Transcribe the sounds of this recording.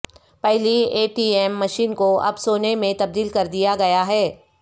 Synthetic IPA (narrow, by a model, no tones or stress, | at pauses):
pɛɦlieːʈiːɛːmːɐʃiːnkoɐ̰bsoːnemẽt̪ɐb̚d̪iːlkɐɾd̪ijaɡɐjaɦɛː